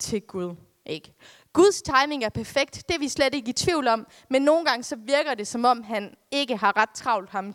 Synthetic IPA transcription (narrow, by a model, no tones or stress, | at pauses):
t͡sʰe̝ɡ̥uð̞ˠ | ʔe̝ɡ̥ | ɡ̥uð̞ˠst͡sʰɑ̈ɪme̝ŋæɐpʰæɐfeɡ̥̚d̥ːe̝ʋisled̥e̝ɡ̥əit͡sʰʋiʊ̰lɒ̽m̰ | menːo̝ːn̩ɡ̥ɑ̈ŋəsɒ̽ʋiɐɡ̥ɐd̥e̝sɒ̽mɒ̽m̰ɦæn | e̝ɡ̥əɦɑ̈ʁad̥̚t͡sʰʁɑ̈ʊld̥hɑ̈m